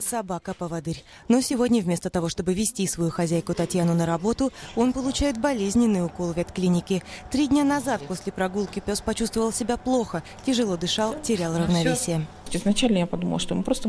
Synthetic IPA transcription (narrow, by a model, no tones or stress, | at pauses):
sɐbakəpəvɐd̪ɨɾʲ | no̞sʲɪvo̞dʲnʲəvmʲe̞st̪ət̪ɐvo̞ʂt̪obɨvʲɪsʲtʲisvɐjuxɐzʲæjkʊt̪ɐtʲjanʊnəɾɐbo̞t̪ʊo̞npəlˠʊt͡ɕæjɪt̪̚bɐlʲezʲnʲɪnːɨjʊko̞lˠvʲɐt̪klʲinʲɪkʲɪt̪ɾʲidʲnʲanɐzat̪̚po̞sʲlʲɪpɾɐɡulˠkʲɪpʲospɐt͡ɕust̪vəvəlˠsʲɪbʲaplˠo̞xə | tʲɪʐɨlˠo̞d̪ɨʂɑlˠtʲɪɾʲalˠrəvnɐvʲesʲɪjə | ɪznɐt͡ɕælʲnəjapɐd̪uməlˠʂt̪o̰mɨpɾost̪ə